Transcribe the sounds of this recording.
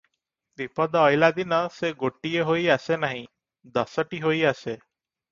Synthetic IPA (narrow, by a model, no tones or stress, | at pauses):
bipɔd̪ɔːjlad̪inɔseɡoʈieɦojasenaɦĩ | d̪ɔsɔʈiɦojase